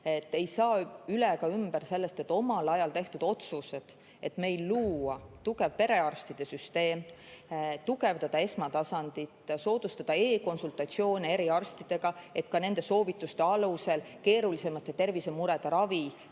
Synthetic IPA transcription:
e̞t̪ːe̞jsɑːyleɡ̥ɑymbærse̞lːe̞st̪et̪ːˑo̞mɑlɑjɑlt̪e̞ht̪ud̪̥o̞t̪suse̞d̪̥ | e̞t̪me̞jlːuːwɑt̪uɡ̥e̞vpe̞ɾe̞ɑrst̪id̪̥e̞syst̪e̞ːm | t̪uɡe̞vd̪ɑd̪̥ɑe̞smɑt̪ɑsɑnd̪̥it̪so̞ːd̪̥ust̪ɑd̪̥ɑe̞ːko̞nsult̪ˑɑt̪sio̞ːnee̞ɾiɑrst̪id̪̥e̞ɡ̥ɑe̞t̪kɑne̞nd̪̥e̞so̞ːvit̪ːˑust̪e̞ɑluse̞l | ke̞ːɾulise̞mɑt̪ːˑet̪ːe̞rvisemuɾe̞d̪̥ɑɾɑvi

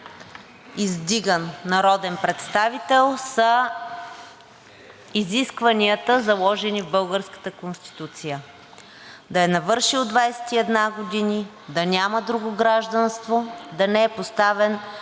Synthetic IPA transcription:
izd̪iɡənːɐɾɔd̪ɛnpɾɛt̪st̪avit̪ɛlˠsə | iziskvɐniət̪əzɐlˠɔʒɛnivbɤlˠɡəɾskə̥t̪əkonst̪i̥t̪ut̪sijə | d̪ɐɛnɐvɤɾʃiod̪vajsɛ̥t̪iɛd̪naɡod̪ini | d̪ɐnʲaməd̪ɾuɡoɡɾaʒd̪ənst̪vod̪ɐnɛɛpost̪avɛn

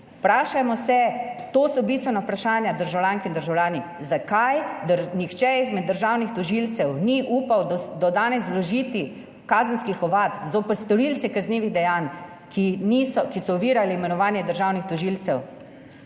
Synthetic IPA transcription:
pɾaːʃamɔsɛt̪oːsɔbist̪ʋɛnaupɾaʃaːnjad̪əɾʒawlʲjaːŋkind̪əɾʒawljaːni | zakajd̪nixt͡ʃɛizmɛd̪ːəɾʒaːwnixt̪ɔʒiːlt̪sɛwniʔuːpawd̪d̪ɔd̪aːnɛzlɔʒiːt̪i | kaːzənskixɔʋaːt̪zopɛɾst̪ɔɾilt̪sɛkazniːʋiɣd̪ɛjan | kiniːsɔkisɔʋiːɾaliimɛnɔʋaːnjɛd̪əɾʒaːwnixt̪ɔʒiːlt̪sɛw

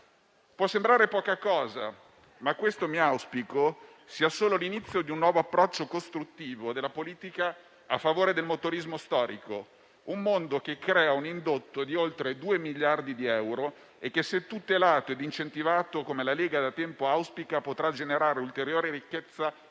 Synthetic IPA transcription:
pwɔsːembɾaːɾepɔːkakɔːza̰ | makːwest̪omiawspiko | siːasoːlolinit̪sːjod̪iunːwɔːvoapːɾɔt͡ʃːokost̪ɾut̪ːiːvod̪elːapoliːt̪ika | afːavoːɾed̪elmot̪oɾizmost̪ɔːɾiko̰ | umːond̪ok̟ekːɾɛːaunind̪ot̪ːod̪iolt̪ɾed̪uːemiʎːard̪id̪iɛwɾo | ekːeset̪ːut̪elaːt̪oed̪int͡ʃent̪ivaːt̪okomelaleːɡad̪at̪ːɛmpoawspikapot̪ɾad͡ʒeneɾaːɾeult̪eɾjoːɾiɾikːet̪sːa

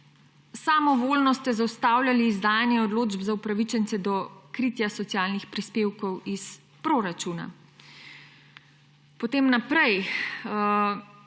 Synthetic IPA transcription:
samɔʋoːlnɔst̪ɛzawst̪aːwlʲjaliːzd̪aːjanjɛɔd̪loːd͡ʒbzaupɾaʋit͡ʃɛnt̪sɛd̪ɔkɾiːt̪jasɔt̪ijaːlnixpɾispeːwkɔwis | pɾoɾat͡ʃuːna̰ | pɔt̪eːmnapɾɛj

